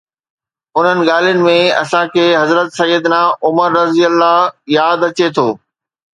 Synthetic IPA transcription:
ʊn̤ənɪ̆ɠaːl̤ijʊnɪ̆mẽɐ̰sãkʰeːɦɐzɾət̪sɐjəd̪naːʊməɾːɐzijəlːajaːd̪ɐt͡ɕet̪ʰoː

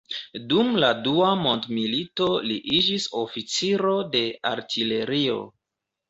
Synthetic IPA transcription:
dumladuamo̞ndmilito̞liʔid͡ʒiso̞fit͡siɾo̞de̞a̰ɾtʰile̞ɾio̞̰

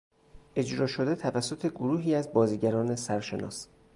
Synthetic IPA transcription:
ʔe̞d͡ʒɾɒːʃo̞d̪e̞t̪ʰævæsːo̞t̪ʰe̞ɡoɾuːɦiːæzbɒːziːɟæɾɒːne̞sæɾʃe̞nɒ̰ːs

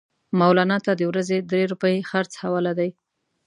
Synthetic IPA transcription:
mawlɑnɑt̪ad̪əwɾazed̪ɾeɾupəjexaɾt͡shawɑlad̪aj

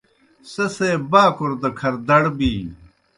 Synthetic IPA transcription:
sɐseːbaːkʰuɾd̪ɐkʰɐɾd̪ɐɽbiː

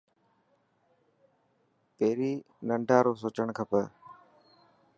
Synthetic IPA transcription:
peːɾiː | nəɳɖʱaːɾoːs̬oːt͡ʃəɳ̃kʰəpə

